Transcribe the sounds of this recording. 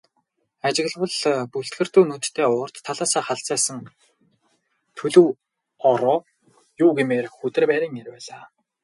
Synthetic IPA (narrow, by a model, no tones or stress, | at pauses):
at͡ɕɪ̆ɣ̆ɮwə̆ɮpuɬt̪ɡɘ̆r̥t̪uːnut̪t̪ʰːeːʊːr̥t̪ʰːaɮaːsaːχaɬt͡sæːsə̆ŋ | t̪ʰɵɮɵ̆w | ɔɾɔː | juːɡemeːrxɵt̪ɘ̆rpæːɾɪ̆ːŋerpæːɮaː